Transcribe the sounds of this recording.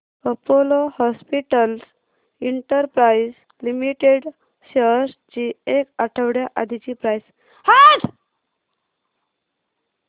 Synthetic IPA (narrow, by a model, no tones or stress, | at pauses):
əpolohɔspiʈəls | iɳʈəɾpɾajs | limiʈeɽ | ɕeɾst͡ɕiekaʈʰəʋɽjaʔad̪ʱit͡ɕiːpɾajs | hat̪